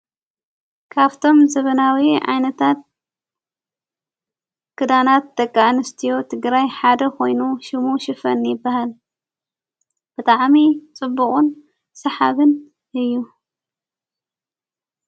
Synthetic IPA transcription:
kʰaβt̪ʰo̞mzɐβɐnawiʕa̰jnɐt̪ʰat̪̚ | kʰɨd̪anat̪̚d̪ɐkʼːaʔnɨst̪ʰijo̞t̪ʰɨɡɾajħad̪ɐkʰo̞jnuʃɪmuʃɪfɐ̰njɪbːahal | b̥ɨt̪ʼaʕmit͡sʼɨbːukʼun | sɐħa̰βɨn | ʔɨjːu

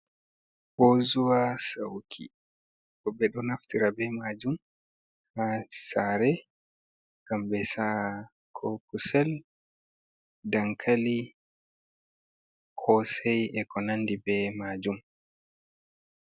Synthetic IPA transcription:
bozuwasawkʰḭ | bɔbɛɗɔnaftiɾabɛmad͡ʒum | hasaɾɛ | ɡ̥ambɛsa | kʰɔpʰusɛl | daŋkʰali | kʰɔsɛjʔɛkɔnandibɛmad͡ʒum

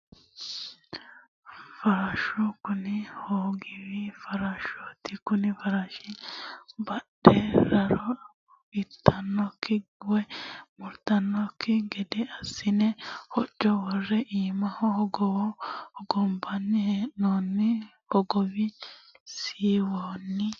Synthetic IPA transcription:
fɐɾaʃɔkʊnɪhoːɡɪwɪfɐɾɐʃɔt̪ːɪkʊnɪfɐɾaʃɪ | bɐɗɛɾɐɾɔ | ɪt̪ʰːɐnːɔkʰːɪɡʊwɛmʊɾt̪ɐnːɔkʰːɪɡɛd̪ɛɐsːɪnɛhɔt͡ʃːɔwɔrːɛʔiːmɐhɔɔɡɔwɔɔɡɔmbɐnːɪheːʔonːɪ | hɔɡɔwɪ | siːwoːnːɪ

